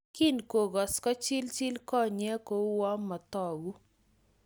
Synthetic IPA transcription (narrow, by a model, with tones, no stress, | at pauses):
ki˦nko˨ɡɔ˨skɔ˦t͡ʃi˦lt͡ʃi˦lkɔ˦ɲɛ˦ko˦wɔ˦ma˨t̪ɔ˨ɡu˦